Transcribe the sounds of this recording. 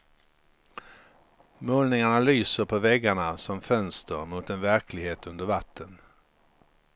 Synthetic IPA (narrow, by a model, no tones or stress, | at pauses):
moːlnɪŋaɳalyːsəɾpʰɔvɛɡːaɳasɔmfœnst̪ʰəɾmʊt̪ɛnvæɾkʰlɪɡheːt̪ɵnd̪əɾvat̪ʰːən